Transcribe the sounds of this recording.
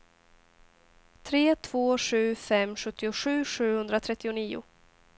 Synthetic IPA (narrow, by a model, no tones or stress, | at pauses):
t̪ʰɾeːt̪ʰv̥oːɧʉ̟ːfɛmːɧɵt̪ːɪʊɧʉ̟ːʂʉ̟ːhɵnd̪ɾat̪ʰɾɛt̪ːɪʊniːʊ̰